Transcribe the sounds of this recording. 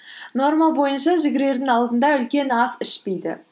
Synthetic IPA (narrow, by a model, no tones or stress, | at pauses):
no̞ɾmɑbo̞jənʃɑʒɪɡʲɪɾe̞ɾd̪ɪŋɑlˠd̪ənd̪ɑʏlkʲe̞nɑzɪʃpejd̪ɪ